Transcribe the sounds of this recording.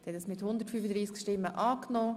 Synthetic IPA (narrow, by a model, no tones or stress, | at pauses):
d̥hɛt̪əsmɪt̪hʊnd̪əɾtfyfəd̪ɾiːskʃtɪmːəʔɑːknoː